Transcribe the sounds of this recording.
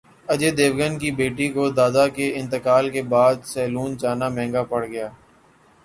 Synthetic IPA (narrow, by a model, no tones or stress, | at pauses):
ɐd͡ʒed̪eːʋɡənkibeːʈikod̪aːd̪akeɪ̃nt̪əkaːlkebaːd̪sɛːluːnd͡ʒaːnamɛ̃ːŋɡapɐɽɡɐjaː